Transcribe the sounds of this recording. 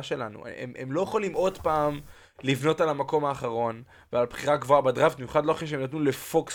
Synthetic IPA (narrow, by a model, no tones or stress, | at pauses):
ʃe̞lanṵḛmʔemlo̞jeχolimo̞dpaːm | livno̞talamako̞maːχaʁo̞n | vealbχiʁaɡvoabadʁafbimjuχad̪lo̞aχiʃeemnat̬nule̞foks